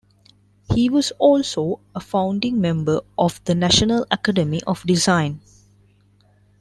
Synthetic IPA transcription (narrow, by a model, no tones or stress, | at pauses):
hiːʋɔzɔːlsoːəfãʊ̃ɳɖɪ̃ŋmɛ̃mbəɾʔɔʋd̪ənæʃənələkæɖəmiʔɔfɖɪzãɪ̃n